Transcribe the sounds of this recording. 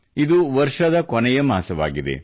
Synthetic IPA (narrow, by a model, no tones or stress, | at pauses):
id̪uʋɐɾʂɐd̪ɐkɔnɛjɐmaːsɐʋa̰ːɡid̪ḛ